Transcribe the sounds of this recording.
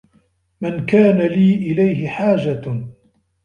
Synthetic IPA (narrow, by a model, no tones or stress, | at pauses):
mɪnkaːnaliːʔɪlajɦɪħaːd͡ʒa